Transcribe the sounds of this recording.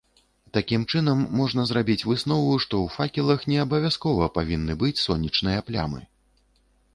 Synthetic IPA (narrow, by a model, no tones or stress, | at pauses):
t̪akʲimt͡ʂɨnɐmːɔʐn̪ɐzɾabʲit͡sʲvɨsnɔvuʂt̪ɔwfakʲilˠɐxnʲɛɐbɐvʲaskɔvɐpavʲinːɨbɨt͡sʲsɔnʲːit͡ʂnɨjɐplʲa̰mɨ̰